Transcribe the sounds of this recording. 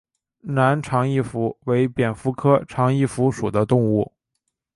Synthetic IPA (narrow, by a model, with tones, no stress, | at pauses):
na˧˥nʈ͡ʂʰɑ˧˥ŋi˥˩fu˧˥we˧˥ɪpjɛ˨˩nfu˥kʰɤ˥ʈ͡ʂʰɑ˧˥ŋi˥˩fu˧˥ʂu˨˩d̪ə˦t̪ʊ˥˧ŋu˥˩